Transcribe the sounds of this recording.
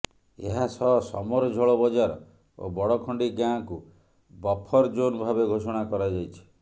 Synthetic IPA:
ḛɦasɔsɔ̰mɔɾɔd͡ʒʱɔɭɔbɔd͡ʒaɾɔ | o̰bɔɽɔkʰɔɳɖiɡãku | bɔpʰɔɾd͡ʒonbʱabeɡʱosɔɽ̃akɔɾad͡ʒajt͡ʃʰi̥

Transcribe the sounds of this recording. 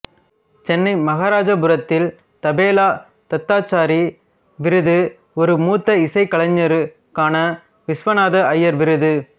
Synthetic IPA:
t͡ʃɛnːɐɪmɐɣaːɾaːd͡ʒɐbɯɾɐt̪ːɪl | t̪ɐbeːlaː | t̪ɐt̪ːaːt͡ʃːaːɾi | ʋɪɾɯðɯ | ɔɾɯmuːt̪ːɐɪsɐɪkɐɭɐɲːɐɾɯ | kaːnɐ | ʋɪsʋɐnaːðɐɐjːɐɾʋɪɾɯðɯ

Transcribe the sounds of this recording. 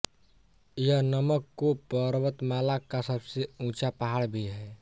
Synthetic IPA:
jənəməkːopəɾwət̪maːlakːasəbseũːt͡ʃapəɦaːɽbʱiɦɛ

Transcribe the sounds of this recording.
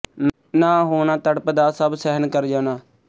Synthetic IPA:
nãːɦoːnaːt̪əɽpəd̪aːsəbsɛɦənkəɾd͡ʒãːnaː

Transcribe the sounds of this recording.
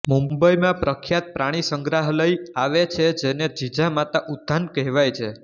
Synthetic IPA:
mumbəjmãpɾəkʰjat̪̚pɾaɽ̃isəŋɡɾaɦləjaʋet͡ʃʰed͡ʒened͡ʒid͡ʒamat̪aʔud̪ʱːankəɦʋajt͡ʃʰe

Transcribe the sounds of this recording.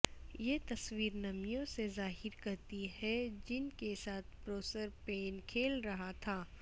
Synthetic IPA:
jet̪ɐswiːɾnɐmijõsezaːɦɪɾkɐɾt̪iɦɛd͡ʒɪnkesaːt̪ʰpɾoːsəɾpeːnkʰeːlɾɐɦat̪ʰaː

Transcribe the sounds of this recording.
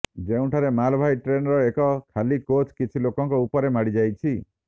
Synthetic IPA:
d͡ʒeũʈʰaɾemalbʱajʈɾenɔɾɔekɔkʰalikot͡ʃkit͡ʃʰilokɔŋkɔupɔɾemaɽid͡ʒajt͡ʃʰi

